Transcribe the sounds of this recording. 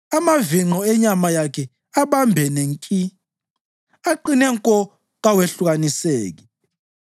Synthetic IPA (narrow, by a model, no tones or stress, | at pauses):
amaviŋ͡ǃɔɛɲamajakʰɛ | aβambʱɛneŋkʼi | aǃinɛŋkʼɔ | ɣaweɬuɣaniseːɣi